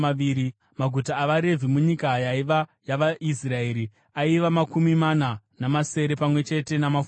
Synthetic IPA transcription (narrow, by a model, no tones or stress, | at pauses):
aʋiːɾi | maɡʱutaːʋaɾe̞vʱimuɲikajaiʋajaʋaʔisrae̞ːɾi | aiʋamakumimana | namase̞ɾe̞pamwe̞t͡ʃe̞te̞namaf